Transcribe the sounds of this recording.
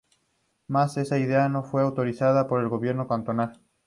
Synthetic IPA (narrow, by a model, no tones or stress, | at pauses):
mase̞saiðeano̞fwe̞awt̪o̞ɾiθað̞apo̞ɾe̞lɣo̞βje̞ɾnokant̪o̞nal